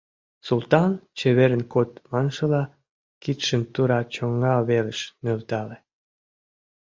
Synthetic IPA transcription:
sult̪ɑnt͡ɕeβeɾənkot̪̚mɑnʃə̆lɑ | kit̪ʃənt̪uɾɑt͡ɕoŋːɑβeləʃnølt̪ɑle

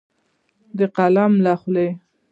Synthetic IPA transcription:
d̪əqalamlaxle

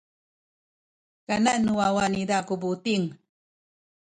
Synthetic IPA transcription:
kananuawanidakubutiŋ

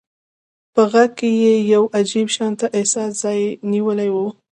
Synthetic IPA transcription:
pəɣaɡ̚kejejawʔad͡ʒibʃɑnt̪aʔɪhsɑsz̥ɑjniwəlajwu

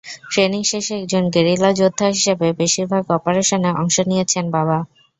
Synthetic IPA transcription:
tɾeniŋʃeʃeɛk̚d͡ʑonɡeɾilad͡ʑod̪ʱːaɦiʃebebeʃiɾbʱaɡɔpoɾeʃoneʔɔ̰ŋʃonijet͡ɕʰenbaba

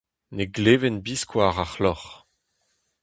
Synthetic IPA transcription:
neɡleːvɛnbiskʰwaʁaχlɔχ

